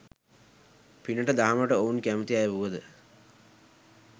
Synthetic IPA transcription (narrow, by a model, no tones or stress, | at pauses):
pinəʈəd̪aɦaməʈəounkæmət̪iajʋuʋəd̪ə